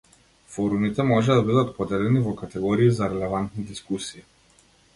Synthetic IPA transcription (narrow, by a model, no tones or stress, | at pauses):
fɔɾumit̪ɛmɔʒɛd̪abid̪at̪pɔd̪ɛlɛnivɔkat̪ɛɡɔɾiːzaɾɛlɛvant̪nid̪iskusiː